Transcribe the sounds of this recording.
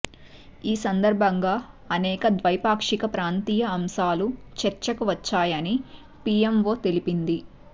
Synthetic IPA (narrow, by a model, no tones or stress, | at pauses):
iːsɐnd̪ɐɾbʱɐŋɡaː | ɐnɛːkɐd̪ʋɐjpaːkʂikɐpɾaːnt̪iːjɐɐmʃaːlut͡ʃɛɾt͡ʃɐkuʋɐt͡ʃːaːjɐni | pijemʋo̞ːt̪e̞lipind̪i